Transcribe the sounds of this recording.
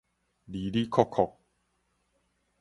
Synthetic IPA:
li˨˦li˦kʰɔ˦˧kʰːɔ˨k̚

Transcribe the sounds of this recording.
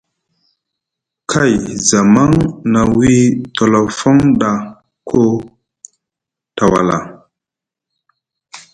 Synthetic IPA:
kʰa˦˨jza˨ma˦ŋna˨wi˦tɔ˨lɔ˨fɔ˦ŋɗa˨ | kʰo˦ | ta˨wa̰˨la̰˨

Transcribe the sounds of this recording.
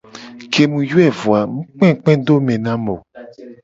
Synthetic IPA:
kʰe˨mũ˧ju˦ɛ˦˨vu˨a˨m̩̃˦k͡pɛ̃˦˨˦k͡pɛ̃˦do˦mɛ̃˨nã˦mo˨

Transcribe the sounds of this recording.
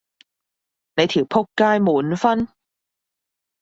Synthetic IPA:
ne˨˧jt̪ʰiː˨˩wpʰʊ˥kːaː˥jmuː˨˥nfɐ˥n

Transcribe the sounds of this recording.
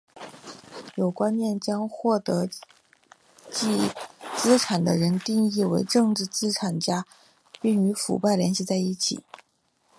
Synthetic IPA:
jo˨˩ʊkwa˥nmjɛ˥˩nt͡ɕjɑ˥ŋxwɔ˥˩t̪ɤ˧˥ | t͡ɕi˥˧t͡sɹ̩˥ʈ͡ʂʰa˨˩nd̪ə̰˦ɻə˧˥nt̪i˥˧ŋi˥˩we˧˥ɪʈ͡ʂɤ˥˧ŋʈ͡ʂɻ̩˥˩t͡sɹ̩˥ʈ͡ʂʰa˨˩nt͡ɕja˥ | pi˥˩ŋy˧˥fṵ˨˩pa˥˩ɪljɛ˧˥nɕi˥˧t͡sa˥˧ɪi˥˩t͡ɕʰḭ˨˩˦

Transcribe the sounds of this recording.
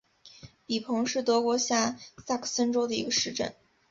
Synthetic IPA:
pi˨˩pʰɤ˧˥ŋʂɻ̩˥˩t̪ɤ˧˥kwɔ˧˥ɕja˥˩sa˥˩kʰsə˥nʈ͡ʂo˥ʊd̪ə˨ḭ˧˥ɡə˧ʂɻ̩˥˧ʈ͡ʂə̰˥˩n

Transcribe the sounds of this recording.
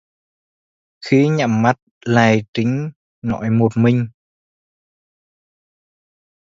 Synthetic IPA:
xi˧˦ɲa̰˧˨mːa˦˥t̚ | laː˨˩jt͡ɕ̪ï˨˦ŋ̟ | nɔ̰˧˥jmo˨˩t̚mï˨˩ŋ̟

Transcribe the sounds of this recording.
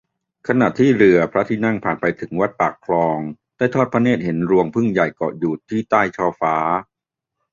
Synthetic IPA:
kʰa˧na˨˩t̪ʰiː˥˩ɾɯ˧˩ɐpʰɾa˦˥t̪ʰiː˥˩na˥˩ŋpʰaː˨˩npa˧jt̪ʰɯ˩˦ŋwa˦˥t̪̚paː˨˩kʰlɔː˧ŋ | daː˥˩jt̪ʰɔː˥˩t̪̚pʰa˦˥neː˥˩t̪̚ɦe˩˦nɾu˧əŋpʰɯ˥˩ŋja˨˩jkɔ̰ː˨˩juː˨˩t̪ʰːiː˥˩t̪aː˥˩jt͡ɕʰɔː˧faː˦˥

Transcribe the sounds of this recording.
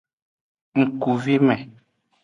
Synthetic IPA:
ŋ̩˨ku˨vi˦mɛ̃˨

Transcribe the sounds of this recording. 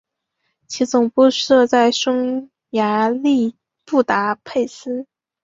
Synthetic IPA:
t͡ɕʰi˧˥t͡sʊ˨˩ŋpu˥˧ʂɤ˥˧t͡sa˥˩ɪʂɤ˥ŋ | ja˧˥li˥˧ | pu˥˩t̪a˧˥pʰe˥˩ɪsɹ̩˥

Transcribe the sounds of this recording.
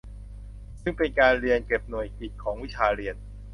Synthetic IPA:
sɯ˥˩ŋpe˧nkaː˧nɾi˧ənke˨˩p̚nu˨˩əjki˨˩t̪̚kʰɔː˩˦ŋwi˦˥t͡ɕʰaː˧ɾi˧ən

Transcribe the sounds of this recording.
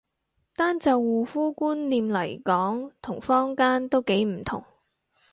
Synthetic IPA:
t̪aː˥nt͡sɐ˨˧wːuː˨fuː˥kuː˥nliː˨mlɐ˨˩jkɔː˨˥ŋt̪ʰʊ˨˩ŋfɔː˥ŋkaː˥nt̪o˥wke˨˥jm̩˨˩t̪ʰʊ̰˨˩ŋ

